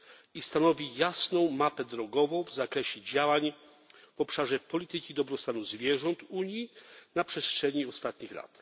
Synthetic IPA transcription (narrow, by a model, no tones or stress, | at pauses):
ist̪anɔvʲijasnɔ̃w̃mapɛd̪ɾɔɡɔvɔ̃w̃vzakɾɛɕɛd͡ʑawaɲ | v̥ɔpʂaʐɛpɔlʲit̪ɘkʲid̪ɔbɾɔst̪anuzvʲjɛʐɔnt̪uɲjinapʂɛstʂɛɲiɔst̪at̪ɲixla̰t̪